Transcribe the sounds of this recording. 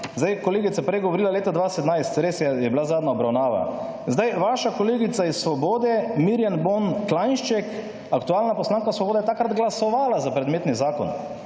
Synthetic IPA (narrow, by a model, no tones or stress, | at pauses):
zd̪ajkɔleːɡit̪sapɾɛjɡɔʋɔɾiːlaleːt̪ad̪ʋaːsɛt̪najst̪ɾeːsjɛjɛbilazaːd̪naɔbɾawnaːʋa̰ | zd̪ajʋaʃakɔleːɡit̪saisːʋɔboːd̪ɛmiɾjanbonklanʃt͡ʃɛk | akt̪uaːlnapɔslaːŋkasʋɔboːd̪ɛjɛt̪akɾad̪ɡlasɔʋaːlazapɾɛd̪meːt̪nizaːkɔ̰n